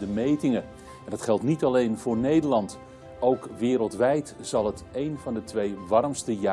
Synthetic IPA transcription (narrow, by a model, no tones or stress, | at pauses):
dəmejtɪŋə | ɛndɑtχɛlˠtnitɑlejnvʊːɹnejdəlɑnt | owkʋɪːɾəlˠtʋɛjtz̥ɑlˠətejnvɑndətʋejʋɑrmstəja